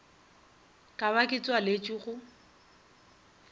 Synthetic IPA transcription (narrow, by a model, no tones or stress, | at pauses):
kʼaβakʼɪt͡sʼwalet͡ʃʼiχʊ